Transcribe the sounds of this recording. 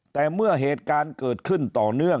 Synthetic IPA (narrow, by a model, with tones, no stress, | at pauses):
t̪ɛː˨˩mɯ˥˩ɐɦeː˨˩t̪̚kaː˧nkɤː˨˩t̪̚kʰɯ˥˩nt̪ɔː˨˩nɯ˥˩ə